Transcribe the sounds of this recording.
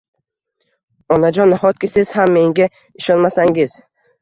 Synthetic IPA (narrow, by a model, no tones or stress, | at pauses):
ɒnad͡ʒɒnːhɒt̪̚kʲɪsɪz̥hamːe̞ŋɡʲa | ɪʃɒnmasaŋɡʲɪz